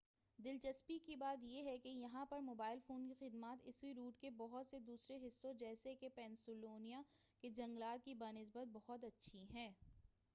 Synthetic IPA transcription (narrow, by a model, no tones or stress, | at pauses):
d̪ɪlt͡ʃɐspikibaːt̪̬jeɦɛkejɐɦãpɐɾmoːbaːɪlfoːnkixɪd̪maːt̪ɪ̰swiɾuːʈkebɔɦʊt̪sed̪uːsɾeɦɪsːõd͡ʒɛːsekepɛ̃ːnsʊloːnijaked͡ʒɐ̃ŋɡlaːt̪̚kibaːnɪs̬bət̪̚bɐɦʊt̪ɐtːʃʰiɦɛ̃ː